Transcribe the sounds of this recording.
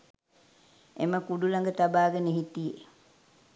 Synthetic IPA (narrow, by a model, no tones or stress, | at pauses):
eməkuɖulaŋɡət̪abaːɡənəɦit̪ijḛ